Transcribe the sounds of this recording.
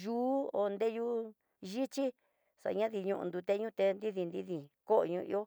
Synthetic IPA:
ʒuː˦o˧nd̪e˦ju˧ | ʒi˦t͡ʃi˦ | sa̰˨˧ɲã˦ði˧ɲũ˧ʔṵ̃˧nd̪u˧t̪e˧˦ɲũ˦t̪e˧nd̪i˦ði˧nd̪i˦ði˧˨ko˦ʔo̰˨ɲũ˧ḭ˧˦o˦

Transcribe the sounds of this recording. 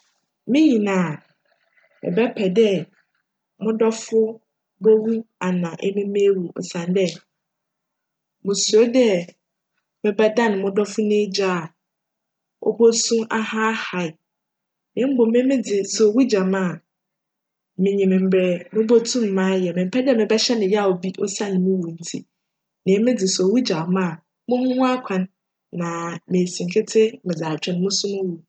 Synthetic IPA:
mɪ̃˦ɲĩ˨nã˨ | mɪ̰̃˨bɛ˦pʰɛ˨dɛ˦ | mʊ̃˦dɔ˦fʊ˦ | bo˦wu˦a˨nã˨ʔɛ˦mɪ̃˦mẽ˦wu˨ɔ̰˨sã˨n˦dɛ˦ | mʊ̃˨su˨o˦dɛ˦ | mɪ̃˨bɛ˦da˦nʊ̃˨mʊ̃˦dɔ˦fʊ˦nɪ̃˦d͡ʑa˦˨ | ɔ̰˦bo˦sũ˦mʔa˦ha˦ha˨ɪ˨ | nɪ̃˨˦m̩˦bo˨mɪ̃˦mɪ̃˦d͡zɪ˨so˨˦wi˦d͡ʑa˨mãː˦˨ | mɪ̃˨ɲĩ˨mɪ̃˨m̩˨bɾɛ˨˦nʊ̃˦bo˦tʰũ˦m̩ː˨ã˦jɛ˨mɪ̃˨m̩˨pʰɛ˦dɪ˦ɛ˦mɪ̃˨bɛ˦ɕɛ˦nɪ̃˨jɛ˦a˦˨o˨bi˦ʔɔ˦sa˦˨nɪ̃˨mʊ̃˦wu˨n̩˨˦tʰḭ˦ | nɪ̃˨˦mɪ̃˦d͡zɪ˨sɔ˨wi˦d͡ʑa˨˦mã˦˨ | mʊ̃˦hʊ̃˦m̃˦a˦kʷʰã˨nː | ã˨mẽ˨sĩ˨ŋ˨kʰɪ˦tʰɪ˦mɪ̃˨d͡zaː˨t͡ɕᶣʰɛ̃˨nɪ̃˦mʊ̃˦sʊ̃˦mʊ̃˦wu˨

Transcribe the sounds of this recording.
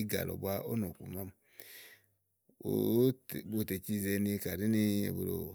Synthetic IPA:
i˦ɡa̰˨lɔ̰˨bwa˦o˦no˨kṵ˨ma˦m | o̰˨˦˨bo˦˨te˨t͡ʃi˦˨ze˨ni˧ka˨ɾi˦ni˦ḛ˨bu˨ɾo̰˨

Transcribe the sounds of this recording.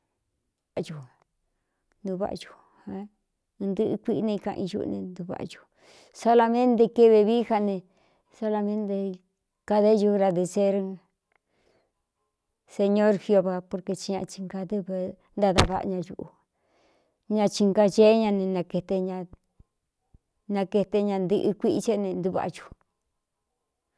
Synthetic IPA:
βa˨ʔju˨ | nd̪u˧βa̰˦ʔju̥˧ | hã˧ | nd̪ɨ˦ʔɨ˧kʷi˦ʔnẽ˧kã̰˧ʔḭ̃˧ʒṵ˧ʔnḛ̃˧nd̪u˧βa̰˨ʔʒu̥˧ | so˧la˧mẽ˦nt̪̬e˧ke˦βe˧βi˦ha˧nẽ˧ | so˧la˧mẽ˦nt̪e˧ | ka˧ðe˦ʒu˧ɣɾa˧ðe˧se˦ɾ | se˧ɲõ˦ɾxjo˧βa˧po˧ɾke˧t͡ʃi˧ɲã˧t͡ʃi˧ŋka˧ðɨ˦βe˧ | nd̪a˦˧ða˧βa̰˧˨˧ɲã˧ʒṵ˧ʔu˧ | ɲã˧t͡ʃi˧ŋka˧t͡ʃe˦ɲã˧nẽ˧nã˧ke˧t̪e˧ɲã˧ | nã˧ke˧t̪e˧ɲã˧nd̪ɨ˧ʔɨ˧kʷi˦ʔt͡ʃe˦nẽ˧nd̪u˧βa̰˨˧ʒu̥˧

